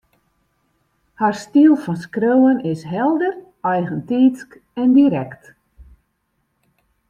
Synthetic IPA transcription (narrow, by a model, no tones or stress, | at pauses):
harstiəlˠfɔnskroːwənɪsɦɛlˠdər | ɛjɣəntiːsk | ɛndiɾɛkt